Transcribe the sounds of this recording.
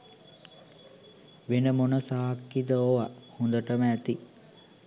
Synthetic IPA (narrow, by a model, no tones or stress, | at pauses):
ʋenəmonəsaːkːid̪əoʋahund̪əʈəməæt̪i